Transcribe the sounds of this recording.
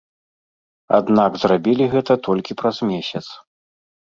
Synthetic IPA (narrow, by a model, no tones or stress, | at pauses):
a̰d̪naɡzrabʲilʲiɣɛt̪ɐt̪ɔlʲkʲipɾazmʲesʲɐt̪s